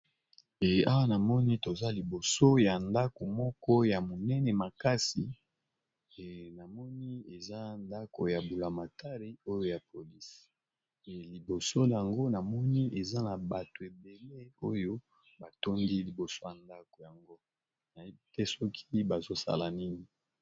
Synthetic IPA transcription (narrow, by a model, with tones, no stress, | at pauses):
ɛ˨a˦wa˦na˨mɔ˦ni˦to˨za˦li˨bo˨so˦ja˨nda˦ko˨mɔ˦kɔ˦ja˨mo˨nɛ˦nɛ˨ma˨ka˦si˨ | na˨mɔ˦ni˦e˨za˦nda˦ko̰˨ja˨bu˨la˨ma˨ta˦ʁi˦o˦jo˦ja˨pʰo˨li˦s | li˨bo˨so˦˨a˨ŋɡo˦na˨mɔ˦ni˦ʔe˨za˦na˨ba˨to˨e˨be˨le˦o˦jo˦ | ba˨to˦ndi˦li˨bo˨so˦ja˨nda˦ko˨ja˨ŋɡo˦ | na˨i˦˨tɛ˦sɔ˦kʰi˦ba˨zo˦sa̰˦la˨ni˦ni˨